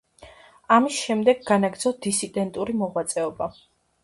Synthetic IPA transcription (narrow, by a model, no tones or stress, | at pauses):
amisʃɛmd̪ɛɡːanaɡɾd̪zɔd̪̥isid̪ɛnt̪ʼuɾimɔʁwat̪sʼɛɔba